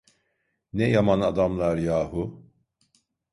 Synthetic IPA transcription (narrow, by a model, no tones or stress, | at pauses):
nɛjamanad̪amlˠaɾjaːɦu